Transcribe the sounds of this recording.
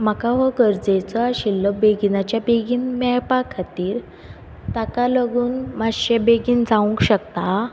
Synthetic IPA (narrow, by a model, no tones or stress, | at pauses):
m̤akaʋɔɡəɾd͡zet͡sɔaɕilːɔbeɡinat͡ɕjabeɡiːnmajpakʰːat̪iːɾ | t̪akaləɡuːnmaɕebeɡiːnd͡zaʋũŋkɕəkt̪a